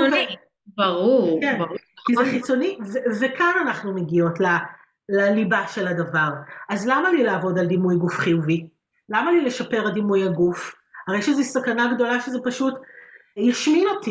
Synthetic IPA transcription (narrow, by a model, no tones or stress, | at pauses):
oke | bɐʁuʁkenkizeχit͡so̞nivevekananaχnumeɡio̞tla | lalibaʃe̞ladɐvaʁʔazlamalilaːvo̞dald̪imujɡufχijuvi | lamalileʃape̞ʁad̪imujhaɡuf | aʁejʃezisakanaɡdo̞laʃezepaʃutjaʃmiloti